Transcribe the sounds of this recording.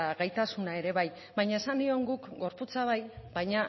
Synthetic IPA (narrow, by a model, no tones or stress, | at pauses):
aɣajt̪asunae̞ɾe̞βaj | βajɲae̞sand̪io̞ŋɡukɡo̞ɾput͡saβajbajɲa